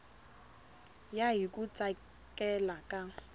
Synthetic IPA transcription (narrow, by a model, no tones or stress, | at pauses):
jaɦikʼʊt͡sʼa | kʼɛlakʼa